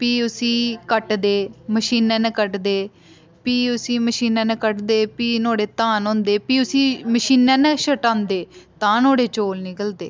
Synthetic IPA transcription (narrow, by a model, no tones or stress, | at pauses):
piːʊsĩːkəʈd̪eːməʃiːnẽːnekəʈd̪eː | piːʊsĩːməʃiːnɛ̃ːnekəʈd̪eːpiːnoːɽeːt̪ãːnõːnd̪eːpiːʊsĩːməʃiːnɛ̃ːnẽːʃəʈãːnd̪eːt̪ãːnoːɽeːt͡ʃoːlnɪkəld̪ḛː